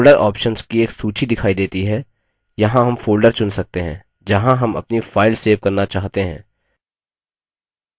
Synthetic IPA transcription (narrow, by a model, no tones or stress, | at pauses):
lɖəɾʔɔːpʃənskieːksuːt͡ʃʰid̪ɪkʰaːid̪eːt̪iɦɛ | jɐɦãɦɐmfoːlɖəɾt͡ʃʊnsɐk̚t̪eɦɛ̰̃ː | d͡ʒɐɦãɦɐmɐ̰pnifaːɪlseːʋkɐɾnat͡ʃaːɦt̪eɦɛ̰̃ː